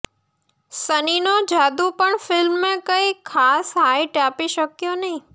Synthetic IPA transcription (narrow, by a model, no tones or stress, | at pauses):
səninod͡ʒaːd̪upəɳfɪlmːẽkəikʰːaːsɦaiʈaːpiʃəkjonəɦĩ